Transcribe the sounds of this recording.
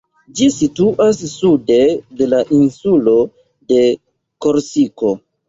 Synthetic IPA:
d͡ʒisituʔasːude̞de̞laʔinsulo̞ | de̞ | ko̞ɾsiko̞

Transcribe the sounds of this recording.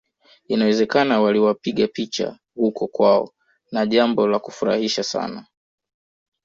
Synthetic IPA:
inawɛzɛkanawaliwapiɠapit͡ʃa̰ | hukɔkwaɔ̰ | naʄambɔlaku̥fuɾa̰hiʃasa̰na

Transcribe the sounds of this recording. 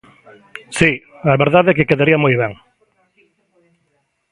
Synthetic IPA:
si | aβeɾðaðɛkekeðaɾiamojβ̞ɛŋ

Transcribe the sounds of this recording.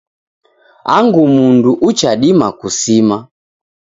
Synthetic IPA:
aŋɡumunduʔut͡ʃaɗimakusima

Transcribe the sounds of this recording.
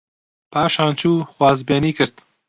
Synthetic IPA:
pʰaːʃaːnt͡ʃʰuːxwɑːzbeːniːkʰɨɾd̪

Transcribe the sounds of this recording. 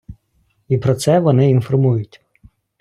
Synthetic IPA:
ipɾɔt̪sɛʋɔnɪinfɔrmujʊtʲ

